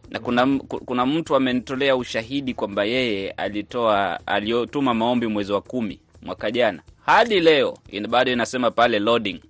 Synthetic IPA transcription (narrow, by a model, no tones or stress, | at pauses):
nʔakunakukunam̩tuamɛnitɔlɛauʃaɦiɗikwambajɛjɛa̰litɔaa̰liɔtumamaɔmbimwɛziwakumḭ | mwakaʄanahaɗilɛɔ̰inɓaɗɔinasɛmapalɛlɔɗiŋ